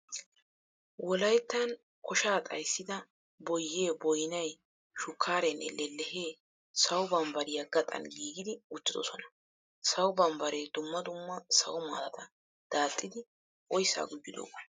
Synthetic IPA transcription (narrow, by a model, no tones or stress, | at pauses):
wɔlɐjt̪ːɐn | kʰɔʃaːt̪ʼɐjsːɪd̪ɐ | bɔjːe̞ːbɔjnɐj | ʃʊkʰːaːɾɛnʔɛ̰lɛlːɛheː | sɐwʊbɐmbɐɾɪjaɡɐt̪ʼɐ̰nɡiːɡɪd̪ɪʊt͡ʃːɪd̪ɔ̰sɔnɐ̥ | sɐwʊbɐmbɐɾeːd̪ʊmːɐd̪ʊmːɐsɐ̰wʊmaːlɐt̪ʰɐ | d̪̥aːt̪ʼːɪd̪ɪ | ʔɔjsa̰ːɡʊd̪ːɪd̪o̰ːkːɔ